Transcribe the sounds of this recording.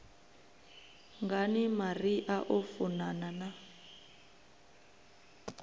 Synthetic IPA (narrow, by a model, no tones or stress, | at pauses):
ŋɡanimariʔaʔɔfunanana